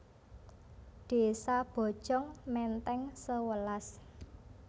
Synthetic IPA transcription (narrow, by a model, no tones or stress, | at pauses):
ɖ̥e̤sab̥ɔ̤̥ʒ̥ɔŋmɛnt̪ɛŋsəwəlas